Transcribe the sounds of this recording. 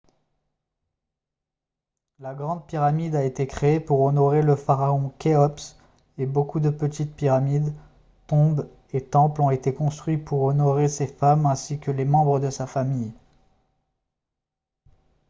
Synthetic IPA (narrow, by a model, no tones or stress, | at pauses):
laɡʁɑ̃d̪̚piʁamid̪aet̪ekχeːpuʁɔnɔʁeləfaʁaɔ̃kʲeɔps | ebokud̪əpət̪it̪̚piʁamid̪ | t̪ɔ̃b | et̪ɑ̃plɔ̃et̪ekɔ̃st̪χɥipuʁɔnɔʁesefamɛ̃sikʲəlemɑ̃bʁəd̪əsafamij